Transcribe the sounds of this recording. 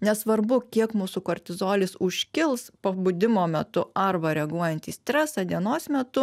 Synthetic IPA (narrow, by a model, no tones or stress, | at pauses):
nʲɛsʋɐɾbʊkʲiɛkmuːsʊkoːɾʲt̪ʲɪzoːlʲɪsʊʃʲkʲɪlˠspɐbʊd̪ʲɪmoːmʲɛt̪ʊɐɾbɐɾʲɛɡuɔjɛnʲt̪ʲiːsʲt̪ʲɾʲæsɑd̪ʲiɛnoːsmʲɛt̪ʊ